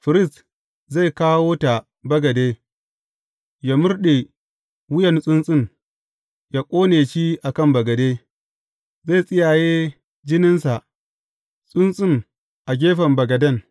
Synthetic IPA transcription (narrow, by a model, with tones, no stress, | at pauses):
ɸɪ˨ɾɪ˦st | za˦˨jkaː˦woː˦ta˨ | bɐ˦ɡɐ˨deː˦ | ja˨mʊ˦rɗe˨ | wʊ˦jɐ˨nsʼʊ˦nsʼɪ˦˨ŋ | ja˦kʷʼoː˦neː˨ʃiː˦ʔa˨kɐ˦mbɐ˨ɡɐ˨deː˦ | za˦˨sʼɪ˦ja˨jeː˦ | d͡ʒɪ˦nɪ˦nsa˨ʔ | sʼʊ˦nsʼɪ˦ŋ | ʔa˨ɡʲeː˦ɸɐ˨mbɐ˨ɡɐ˨dɐ˦˨n